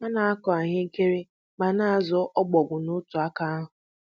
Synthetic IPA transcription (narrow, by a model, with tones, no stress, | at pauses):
ma˦na˨a˦kɔ˨a˨ɲɪ˦ke˦ɾe˦ | ma˨na˦a˨zɔ˦ʔɔ˦ɡ͡bɔ˨ɡʷʊ˨nʊ˦tʊ˨a˦ka˦a˦ɦʊ˨